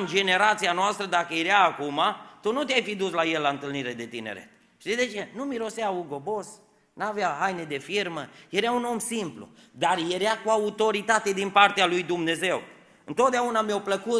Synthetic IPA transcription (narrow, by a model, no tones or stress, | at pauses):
nd͡ʒe̞ne̞ɾat̪sijanoast̪ɾəd̪akəjɾeaːkumat̪unut̪eajfid̪uslajelːaɨnt̪ɨlniɾe̞d̪e̞t̪inḛɾe̞̰t̪ | ʃt̪id̪e̞t͡ʃe̞numiɾo̞seauɡo̞bo̞s | naveaɦajned̪e̞firməjeɾeauno̞msimplṵ | d̪arje̞ɾeakuaut̪o̞ɾit̪at̪e̞d̪inpart̪ealujd̪umne̞ze̞w | ɨnt̪o̞t̪̚d̪eaunameawpləku